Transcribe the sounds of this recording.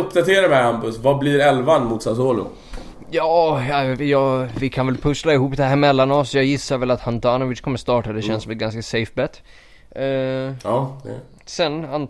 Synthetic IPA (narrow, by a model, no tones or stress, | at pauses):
ɵpd̪at̪ʰeːɾaɾmɛambʊsvabliɾɛlvanmuːt̪sasoːlʊ̰ | jɑːjɑːvɪkʰanvɛlpʰɵslaɪhuːpd̪ɛhæɾmɛlːanɔsjɑːjɪsːaɾvɛlat̪hant̪ʰanʊvɪskʰɔmːəst̪ɑːʈad̪ɛʃɛnsɔmɛt̪ɡanskasɛjfbɛt̪ː | d̪ɛ̰ | sɛnan